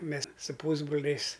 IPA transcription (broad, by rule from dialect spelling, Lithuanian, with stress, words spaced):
ˈmʲɛs sʊ ˈpuːzbroːlʲɛɪs